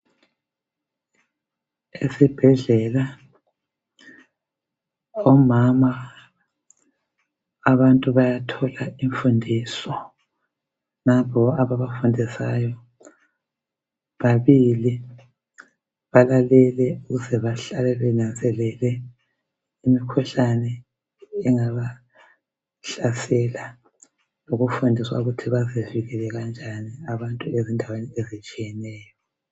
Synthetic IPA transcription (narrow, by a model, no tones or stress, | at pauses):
esib̥ʱɛɮɛla | ɔmama | βantʼuβajatʰɔlaiɱfundʱisɔ | napɔaβaβafundʱisajɔ | βaβili | βalalɛlɛuɣuzɛβaɬalɛβɛnand͡zʱɛlɛlɛ | imikʰɔɬanɛː | ŋaβa | ɬasɛla | noɣufundʱiswaɣutʰiβazeviɣɛlɛɣand͡ʒʱaniaβantʼuezindʱaweniezit͡ʃʼijɛnɛːjɔ